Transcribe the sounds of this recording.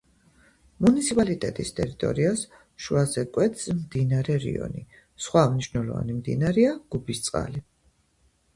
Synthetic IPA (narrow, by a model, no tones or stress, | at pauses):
munit̪sʰipʼalit̪ʼɛt̪ʼist̪ʼɛɾit̪ʼɔ̰ɾias | ʃuazɛkʼwɛt̪smd̪inaɾɛɾḭɔ̰ni | sχwamniʃnɛlˠɔva̰nimd̪ḭnaɾiaɡ̥ubist̪sʼqʼa̰li